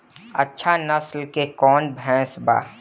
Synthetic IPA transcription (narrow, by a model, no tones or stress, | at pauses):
ɐtːʃʰanɐslkekɔːnbʱɛ̃ːsba̰ː